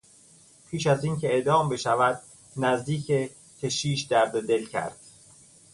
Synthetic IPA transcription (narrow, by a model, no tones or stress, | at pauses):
pʰiːʃæziːncʰe̞eʔd̪ɒːmbe̞ʃævæd̪̚ | næzd̪iːcʰe | cʰe̞ʃiːʃd̪æɾd̪od̪e̞lcʰæ̰ɾd̪̥